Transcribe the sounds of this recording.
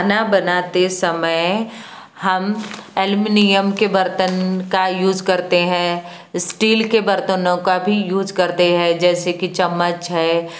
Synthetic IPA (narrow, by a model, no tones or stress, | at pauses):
nabɐnaːt̪esɐməj | ɦɐmelmɪnijəmkebɐɾt̪ənkajuːzkɐɾt̪eɦɛ̃ː | sʈiːlkebɐɾt̪ənõkabʱijuːzkɐɾt̪eɦɛ̃d͡ʒɛːsekit͡ʃɐmːət͡ʃɦɛː